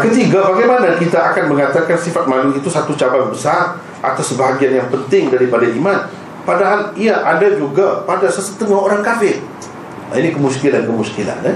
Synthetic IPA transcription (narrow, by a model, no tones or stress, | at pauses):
kət̪iɡabaɡajmanakit̪aːkanməŋat̪akansifat̪̚maluit̪usat̪ut͡ʃabarbəsar | ʔa̰t̪awsəbaɦaɡianjaŋpənt̪ɪŋdaɾipadaʔiman | padaɦaliaʔadad͡ʒuɡapadasəsət̪əŋahoɾaŋkafɪr | a̰inikəmuskilankəmuskila̰nɛ